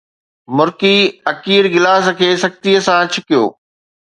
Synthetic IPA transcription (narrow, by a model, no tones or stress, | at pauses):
mʊɾkiɐkiːɾɡɪlaːs̆kʰeːsɐkt̪iəsãt͡ɕʰʊkijo̰ː